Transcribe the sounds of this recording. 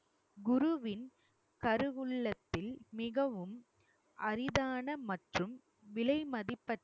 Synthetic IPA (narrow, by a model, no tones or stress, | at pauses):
ɡʊɾʊʋɪn | kɐɾɯʋɯɭːɐt̪ːɪlmɪɣɐʋɯm | ʔɐɾɪðaːnɐmɐʈrɯm | ʋɪlɐɪmɐðɪpːɐʈː